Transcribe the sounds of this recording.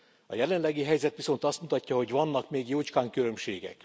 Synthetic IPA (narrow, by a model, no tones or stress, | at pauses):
ɒ̰jɛlɛnlɛɡiɦɛjzɛt̪ʋiso̞nt̪ɒst̪mut̪ɒcːɒɦo̞ɟʋɒnːɒkmeːɡjoːt͡ʃkaːŋkylø̞mʃeːɡɛ̰k